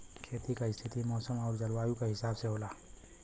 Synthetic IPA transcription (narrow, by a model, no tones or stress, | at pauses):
kʰeːt̪ikaɪst̪ʰɪt̪ʰimɔːsəmɔːɾd͡ʒɐlwaːjũkaɦɪsaːbseɦoːlaː